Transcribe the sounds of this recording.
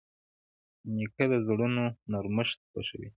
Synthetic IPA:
nikad̪əzɽunonaɾməʃt̪̚xa̰ʃə̰wḭ

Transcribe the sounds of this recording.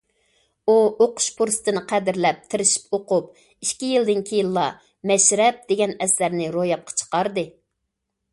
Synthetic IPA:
uoqʰʊ̥ʃpʰuɾsɨ̥t̪ʰɨnɨqʰæd̪ɪɾlɛp̚t̪ʰɪɾɪʃi̥poqʊp̚ | iʃkʲijild̪ɪnkʲʰijilˠːɑ | mɛʃɾɛp̚d̪̥eɡʲɛnɛslæɾnɪɾojɑp̚qʰɑ̥t͡ʃʰə̥qɑɾd̪ɨ

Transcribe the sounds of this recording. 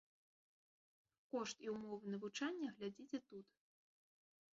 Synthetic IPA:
kɔʂt̪iumɔvɨnɐvut͡ʂanʲːɐɣlʲad͡zʲit͡sʲɛt̪ut̪

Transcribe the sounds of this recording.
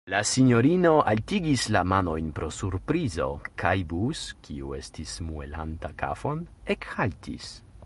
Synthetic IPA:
lasiɲo̞ɾino̞ʔaltiɡislamano̞jnpɾo̞suɾpɾizo̰kʰajbuskiṵe̞stismue̞̰la̰ntaka̰fonekhaltʰḭs

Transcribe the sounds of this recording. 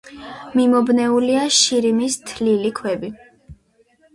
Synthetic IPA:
mimɔbnɛuliaʃiɾimist̪ʰlilikʰwɛbi

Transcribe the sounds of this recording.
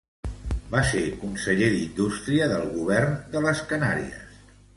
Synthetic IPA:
basekunsəʎeðind̪ust̪ɾiəðəlˠɣuβɛrnd̪ələskənaɾḭə̰s

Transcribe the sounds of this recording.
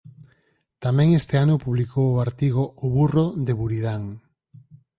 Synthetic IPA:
t̪amɛ̃ŋest̪eanʊpuβlikowoaɾt̪iɣ̞oʔːβuroðeβuɾiðaŋ

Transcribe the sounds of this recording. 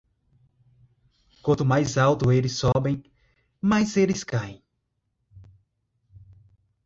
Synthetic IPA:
kwɐ̃nt̪ʊmajzawt̪ʊelɪsɔbẽj̃ | majzelɪskaẽ

